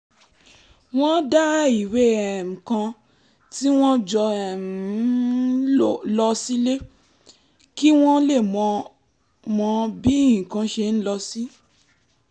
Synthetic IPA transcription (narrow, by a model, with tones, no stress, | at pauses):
w̃ɔ̃˦da˦i˨we˦ɛ˨m̩̃˨kã˧ | ti˦w̃ɔ̃˦d͡ʒɔ˧ɛ˨ | o˦˨lɔ˧si˦le˦ | ki˦w̃ɔ̃˦le˦˨mɔ̃˧ | mɔ̃˧bi˦i˦˨kã˧ʃe˧n̩˦lɔ˧si˦